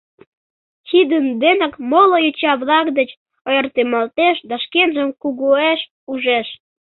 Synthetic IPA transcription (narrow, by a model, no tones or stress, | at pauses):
xid̪ənd̪enəkmolojot͡ɕɑβlɑkd̪ət͡ɕ | ojərt̪emɑlt̪eʃd̪ɑʃkenʒəmkuɣoeʃ | uʒeʃ